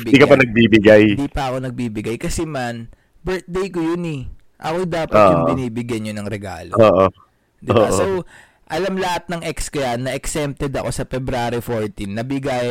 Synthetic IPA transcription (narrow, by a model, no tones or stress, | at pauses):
b̪iːkɐpɐnɐɡ̚bibɪɡajd̪iːpɐɐko̞nɐɡ̚biːbɪɡajkɐsɛman | bɛɹt̪̚d̪ejkojʊnɛ | ʔɐkod̪aːpɐtoːjʊŋɪniːbɪɡjɐɲonɐŋɾɛɡa̰ːloːʔo | d̪ɪaʔsow | ʔɐlamlɐhat̪̚nɐŋʔɛkskojanːɐʔɛksɛmp̚t̪ɛd̪ɐ̰ko̞sɐfɛbɾaːɾifoɹt̪inːɐbɪɡaj